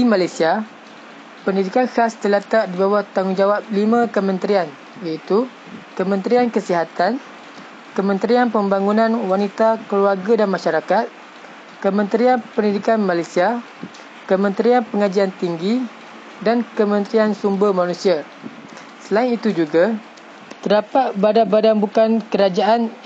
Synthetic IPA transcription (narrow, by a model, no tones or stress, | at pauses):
dimalajsia | pəndidikanxast̪əlat̪aʔdibawaht̪aŋʊŋd͡ʒawap̚limãkəmə̃nt̪ɾian | jait̪u | kəmə̃nt̪ɾiankəsiɦat̪an | kəmə̃nt̪ɾianpəmbaŋunãnwanit̪akəluarɡadanmãʃaɾakat̪̚ | kəmə̃nt̪ɾianpəndidikanmãlajsia | kəmə̃nt̪ɾianpəŋad͡ʒiant̪iŋɡi | dankəmə̃nt̪ɾiansumbəmãnũsia | səlaɪnit̪ud͡ʒuɡa | t̪ərdapat̪̚badabadanbukankəɾad͡ʒaʔan